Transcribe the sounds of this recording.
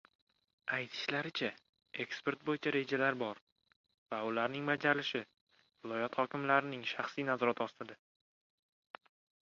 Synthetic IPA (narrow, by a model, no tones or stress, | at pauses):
ajt̪ʰɪ̥ʃlaɾɪt͡ʃʰa | e̞kspe̞ɾt̪̚bojɪt͡ʃʰaɾe̞d͡ʒalaɾbɒɾ | vaʊlaɾnɪŋbad͡ʒalɪʃɪ | vɪlˠɒjɒt̪hɒkʲɪmlaɾɪnɪŋʃaχsijnazɒɾat̪ʰɒst̪ɪd̪ɪ